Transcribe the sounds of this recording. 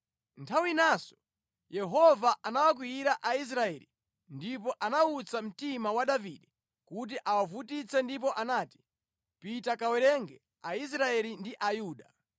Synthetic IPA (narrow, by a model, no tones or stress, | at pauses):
ntʰawinasɔ̥ | jɛɦɔvaʔanawak̬wiiɾaʔais̬ɾaɛlḭ | ndip̬ɔʔanaut͡sam̩timawaɗaviɗɛ | kut̬iʔawavutit͡sɛndip̬ɔʔanaːti̥ | pitakawɛɾɛŋɡɛ | ais̬ɾaɛlindiʔajuːɗa